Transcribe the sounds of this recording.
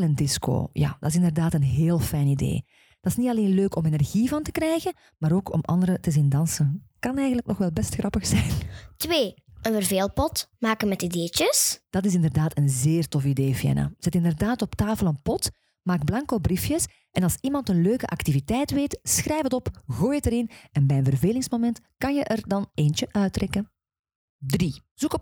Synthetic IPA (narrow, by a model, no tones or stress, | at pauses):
ləndɪsko̰ːja̰ːd̥ɑɪs̬ɪndərdaːtənɦeːlˠfɛjnidḛː | d̥ɑɪsnitɑleːnløːkɔmenɛrɣivɑntə̥krɛjɣən | maːɾoːkʰɔ̰mɑ̰nd̪əɾətəzindɑnsənkɑnɛjɣənləknɔxʋɛlˠbɛstxrɑpəxsɛjntweː | ənvərveːlˠpɔtmaːkənmɛtideːt͡ʃəsd̥ɑtɪs̬ɪndərdaːtənzeːrtɔfideːfjɛ̰na̰z̥ɛtɪndərdaːtɔptaːfəlˠənpɔt | maːɡ̚blɑŋkoːbrifjəs | ʔɛnɑlˠsimɑntənløːkəʔɑktivitɛjtʋeːtsxɾʔɛjfətɔpɣuːjətəɾɪnɛnbɛjənvərveːlɪŋsmomɛntkɑnjəʔərdɑneːnt͡ʃəʔœɥtrɛkən | driz̥ukɔp